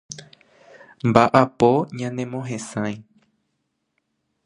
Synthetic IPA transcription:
mbaʔapo̞ɲãnẽ̞mõɦẽ̞sãj̃

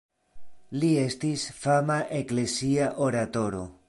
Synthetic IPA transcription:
lie̞stisfamaʔe̞kle̞siaʔo̞ɾato̞ɾo̞

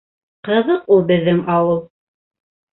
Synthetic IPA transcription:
qɤ̆ðɤqulˠbɘ̆ðːɘŋɑwɤlˠ

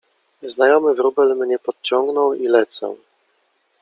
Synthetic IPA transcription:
znajɔmɘvɾubɛlmɲɛpɔt̪̚t͡ɕɔŋɡnɔ̃wilɛt̪sɔ̰w

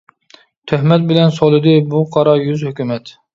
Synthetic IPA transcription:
t̪ʰøhmɛt̪̚bɪlɛnsolˠɨd̪ɨbuqʰɑɾɑjyzhykʲymɛt̪

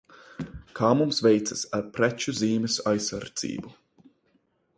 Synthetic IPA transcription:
kʰaːmumsvɛjt̪sasaɾpɾɛt͡ʃuziːmɛsajsaɾd̪z̥ḭːbu

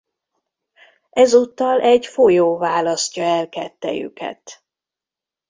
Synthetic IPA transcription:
ʔɛzuːt̪ːɒlʔɛɟfojoːvaːlɒscɒɛlkɛt̪ːɛ̰jy̰kɛ̰t̪

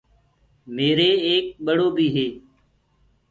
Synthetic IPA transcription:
meːɾeːeːk̚ɓəɽoːbʱiːɦeː

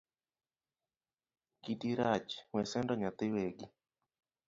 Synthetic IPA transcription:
kitiɾat͡ʃŋwɛsɛndɔɲat̪ɪweɡi

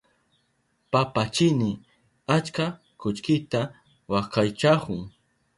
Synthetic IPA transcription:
papat͡ʃɪnɪ | at͡ʃka | kʊt͡ʃkɪt̪a | wakajt͡ʃakʊŋ

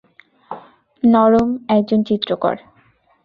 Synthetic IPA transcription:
nɔɾomɛk̚d͡ʑont͡ɕit̪ːɾokɔ̰ɾ

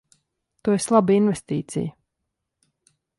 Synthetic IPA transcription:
t̪ueslˠabəinvest̪iːt̪sḭjə

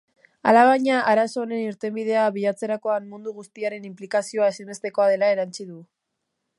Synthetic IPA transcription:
a̰laβ̞aɲaʔaɾaso̞ːne̞niɾt̪e̞mbið̞e̞aβiʝat͡se̞ɾako̞anmund̪uɣ̞ust̪iaɾe̞nimplikasio̞aesime̞st̪e̞ko̞að̞e̞lae̞ɾant͡ʃiðu

